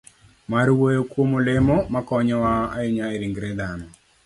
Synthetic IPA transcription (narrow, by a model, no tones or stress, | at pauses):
maɾwojokwomolemɔmakɔɲɔwaa̰ɪɲaeɾiŋɡɾɛd̪anɔ